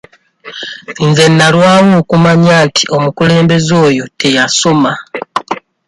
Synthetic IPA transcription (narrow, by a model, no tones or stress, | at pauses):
inze̞nːalwaːŋoːkumaɲaːntʰi̥ʔo̞mukule̞ːmbe̞zo̞ːjo̞tʰe̞jaso̞ma